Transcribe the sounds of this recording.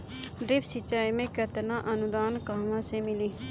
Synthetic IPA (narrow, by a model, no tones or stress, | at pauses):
ɖɾɪpsɪt͡ʃaːimẽkət̪naʔənʊd̪aːnkaːmãsemɪliː